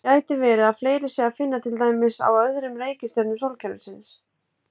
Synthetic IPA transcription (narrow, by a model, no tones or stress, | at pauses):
aːjt̪ɪvɛːɾɪðaðfleːjɾɪsɛafɪnːat̪ʰɪlt̪aːjmɪsa̰wœðɾʏmɾeːjcɪst̪œɾnʏmsowlcʰɛɾɪsɪns